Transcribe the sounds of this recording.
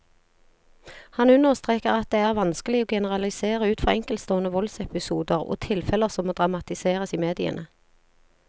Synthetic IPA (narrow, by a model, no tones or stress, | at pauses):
hɑnʉnəʁst̪ʁeːkəʁɑt̪̚d̪eːæːʁʋɑnskəlɪoːɡɛnəʁɑlɪseːʁəʉːt̪fɔʁɛŋkəlst̪oːənəʋɔlsɛpɪsuːd̪əʁo̰ːt̪ʰɪlfɛləʁsɔmoːd̪ʁɑmɑt̪ɪseːʁəsiːmeːd̪ɪə̰nə